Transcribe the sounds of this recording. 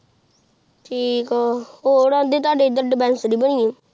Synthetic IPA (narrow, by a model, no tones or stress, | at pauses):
ʈʰiːkooːɽãːd̪iːt̪̬ʊaːɖeːd̪əɾɖɪbɛ̃ːnsɖiːbəɳiːẽ